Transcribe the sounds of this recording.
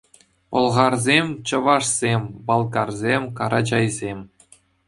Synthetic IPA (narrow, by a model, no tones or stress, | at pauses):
pɤ̆lˠʁɑrzʲemʲt͡ɕɤ̆ʋɑʂsʲemʲbɑlˠɡɑrzʲemʲkɑɾɑd͡ʑɑjzʲemʲ